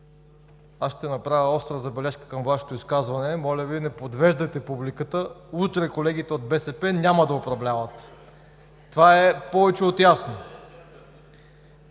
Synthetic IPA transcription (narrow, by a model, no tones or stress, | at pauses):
asʃt̪ɛnɐpɾavʲəɔst̪ɾəzɐbɛlɛʃkə̥kəmvaʃɛ̥t̪oiskazvɐnɛmɔlʲəvinɛpod̪vɛʒd̪əjt̪ɛpublikət̪əut̪ɾɛkolɛɡ̟it̪ɛod̪̚bɛsɛpɛnʲamɐd̪ɐopɾɐvlʲavɐt̪ː | ovaɛpɔvɛt͡ʃɛot̪jasno